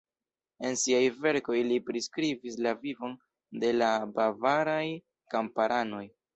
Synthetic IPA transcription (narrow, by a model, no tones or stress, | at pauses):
e̞nsiajve̞ɾko̞jlipɾiskɾivislavivo̞n | de̞labavaɾaj | kampaɾʔano̞j